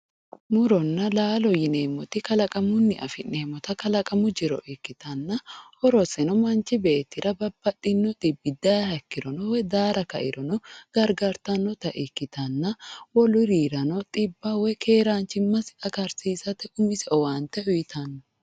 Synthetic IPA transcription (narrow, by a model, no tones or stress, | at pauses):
nʊɾɔnːɐlaːlɔjɪneːmɔt̪ɪkɐlɐkʼɐmʊnːɪʔɐ̰fɪnneːmɔt̪ɐkɐlɐkʼɐmʊd͡ʒɪɾɔ̰ʔɪkːɪt̪ɐnːɐhɔɾɔsɛnɔmɐnt͡ʃɪbeːt̪ːɪɾʔɐbɐbːɐt̪ʼːɪnːɔt̪ʼɪbːɪd̪ɐhɐkːɪɾɔnɔwɛd̪aːɾɐkɐ̰ʔɪ̰ɾɔnɔɡ̥ɐɾɡaɾt̪ɐnːɔt̪ɐʔɪkːɪt̪ɐnːɐwɔlʊɾiːɾɐnɔt̪ʼɪbːɐwɛkʰeːɾaːnt͡ʃɪmːɐsɪt̪ʼɐkɐɾsiːsɐt̪ɛʔʊmɪsɛɔwaːnt̪ɛʊjɪt̪ɐnːɔ̥